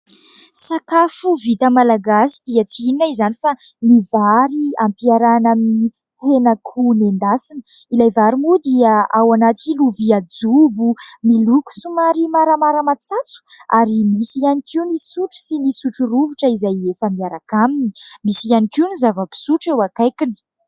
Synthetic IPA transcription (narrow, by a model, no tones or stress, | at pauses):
sakafuvit̪əmalaɡasi̥d̪iat͡siininaizanifa | mivaɾiampiaɾanamini | henakʰunend̪asinəilajvaɾimud̪iəawanat̪iluviad͡zubumiluku̥sumaɾimaɾəmaɾəmat͡sat͡su̥aɾimisianikʰiunisuʈ͡ʂu̥sinisuʈ͡ʂuruvuʈ͡ʂəizajefəmiaɾakamini̥misianikiunizavəbi̥suʈ͡ʂewakajkini̥